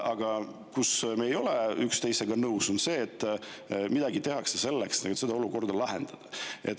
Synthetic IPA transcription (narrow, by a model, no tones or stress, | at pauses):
ʔɑɡ̥ɑ | kusmejo̞leykst̪e̞jse̞ɡɑnɤwso̞nse̞ːt̪ːˑmid̪̥ɑɡit̪e̞ɦɑksese̞lːeksnɑɡuet̪sed̪ɑoluko̞rd̪ɑlɑɦḛnd̪̥ɑd̪̥ɑʔe̞t̪ːˑ